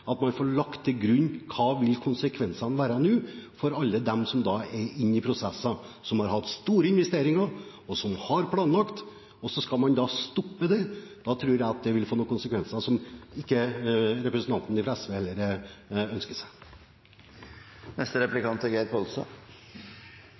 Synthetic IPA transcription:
ɑt̪mɑnfoːɭɑkt̪ʰːɪlɡɾʉnːkʰɑːʋɪlkʰʊnsəkʰʋɛnsɑnʋæːɾənʉːfɔɾɑlːəd̪ɛmsɔmd̪ɑɛɪnːɪpʰɾʊsɛsːɑsɔmhɑɾhɑt̪ːst̪uːɾəɪnʋɛst̪eːɾɪŋɑ | ɔsɔmhɑɾpʰlɑːnlɑkt̪ | ɔsɔskɑlmɑnd̪ɑst̪ɔpːəd̪ɛd̪̥ɑt̪ʰɾʉːɾjæɪɑt̪̚d̪ɛʋɪlfoːnuːkʰʊnsəkʰʋɛnsɑsɔmɪkːəɾɛpɾəsən̩t̪ʰɑnt̪nɪfʰɾɛsʋeɛlːəɾœnskəsæ | nɛst̪əɾɛplɪkʰɑnt̪əɡeɪt̪̚pʰɔlsɑ̰

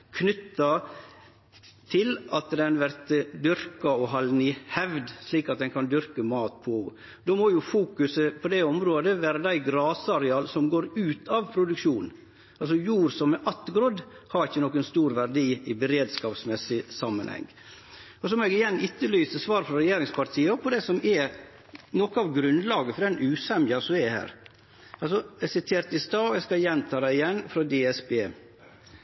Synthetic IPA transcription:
kʰnʏt̪ːɑ | t̪ʰɪlʔɑt̪d̪ɛnʋæɾt̪d̪ʏɾkɑɔɦɑlnihɛʋd̪sliːkɑt̪̚d̪ɛnkʰɑnd̪ʏɾkəmɑːt̪̚pʰɔ | d̪omojʊfuːkʉsəpʰɔd̪ɛɔmɾoːd̪əʋæːɾəd̪æɪɡɾɑːsəɑɾɛɑːlsɔmɡoːɾʉːt̪ʰɑʋpʰɾʊd̪ʉkʃuːn | ʔɑls̬ɔjuːɾsɔmːɛʔɑt̪ːɡɾɔːd̪hɑɾɪçːənɔkːənst̪uːɾʋæɾɖiːɪbəɾeːd̪skɑːpsmɛsːɪsɑmːənhɛ̰ŋː | ɔsɔmɔɛɡɪjɛnːɪt̪ːəlyːsəsʋɑːɾfɾɔɾɛjeːɾɪŋspʰɑɾt̪ʰiːəpʰɔd̪ɛsɔmɛ | nɔkɑʋɡɾʉnd̪lɑːɡəfɔɾɖɛnʉːsɛmjɑsɔmɛhæ̰ːɾ | ɑlsɔɛsɪt̪ʰeːɾt̪ɪst̪ɑːɔɛskɑjɛnt̪ʰɑːd̪æɪɪjɛnːfɾɔd̪eːɛsbeː

